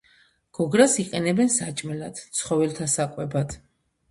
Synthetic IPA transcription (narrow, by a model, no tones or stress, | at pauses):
ɡ̥ɔɡɾasiqʼɛnɛbɛnsat͡ʃʼmɛlad̪̥t̪sʰχɔvɛlt̪ʰasakʼwɛbad̪